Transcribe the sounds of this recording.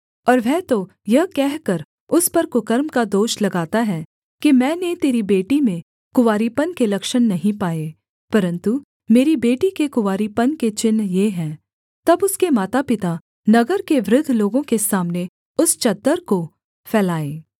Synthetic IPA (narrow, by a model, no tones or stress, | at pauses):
ɔːɾʋɛːt̪o | jɐɦkɛɦkɐɾ | ʊspɐɾkʊkəɾmkad̪oːʃlɐɡaːt̪aɦɛ | kimɛ̃ːnet̪eːɾibeːʈimẽ | kʊʋaːɾipənkelɐkʃənːɐɦĩpaːeː | pɐɾə̃nt̪u | meːɾibeːʈikekʊʋaːɾipənket͡ʃɪnːjeɦɛ̃ː | t̪ɐbʊskemaːt̪apɪt̪a | nɐɡəɾkeʋɾʊd̪ʱːloːɡõkesaːmne | ʊst͡ʃɐd̪ːəɾko | fʰɛːlaːeː